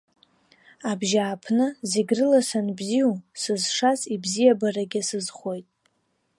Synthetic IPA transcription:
abʒaːpʰnɨzeɡʲrɨlasanbziusɨzʂasibzijabaraɡʲɪsɨzχʷo̞jtʼ

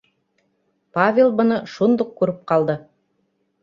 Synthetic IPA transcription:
pavʲelˠbŏnɤʃund̪uq̚kʉɾɘp̚qɑlˠd̪ɤ

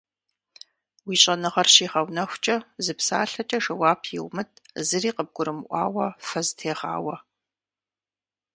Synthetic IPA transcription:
wiːɕʼɐnɨʁɐrɕiːʁɐwnɐxʷt͡ʃʼɐzɨpsa̰ːɬɐt͡ʃʼɐʂɐwaːpʰjḭwmɨt̚ʰʼzɨriːqəb̚ɡʷʊɾɨmʔʷɑ̰ːwɐfɐztʰeːʁa̰ːwɐ

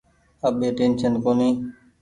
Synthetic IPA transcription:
əɓeːʈeːnʃənkoːnĩː

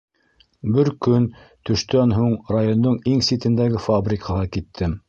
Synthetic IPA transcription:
bɘɾkɵnt̪ɵ̆ʃt̪ænɦuɴrajond̪oɴiŋsit̪ɘ̆nd̪æɡɘfabrʲikʰɑʁɑkit̪ʰːɘm

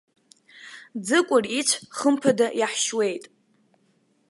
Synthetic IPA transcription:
d͡zɨkʷʼʊrit͡ʃʷʰχəmpʰadajaħʃwe̞jtʼ

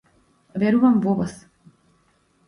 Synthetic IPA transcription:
vɛɾuvamvɔvas

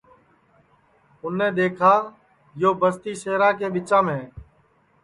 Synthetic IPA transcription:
ʊnːẽːɗ̪eːkʰaː | joːbəst̪iːseːɾãːkeːɓɪt͡ʃãːmẽː

